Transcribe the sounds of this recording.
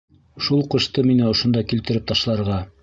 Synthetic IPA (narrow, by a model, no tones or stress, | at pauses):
ʃulˠqɤ̆ʃt̪ɤminɘŏʃŏnd̪ɑkilt̪ɘ̆ɾɘp̚t̪ɑʃlˠɑɾʁɑ